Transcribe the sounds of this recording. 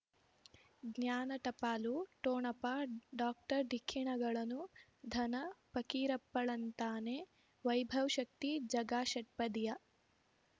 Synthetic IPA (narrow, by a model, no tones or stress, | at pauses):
ɡnjaːnɐʈɐpaːluʈoːɳɐpɐɖaːk̚ʈɐɾɖ̪ʱikʰːiɳɐɡɐɭɐnud̪ʱɐnɐpɐkiːɾɐpːɐɭɐnt̪aːne | ʋɐjbʱɐwʃɐk̚t̪id͡ʒɐɡaːʃɐʈ̚pɐd̪ijɐ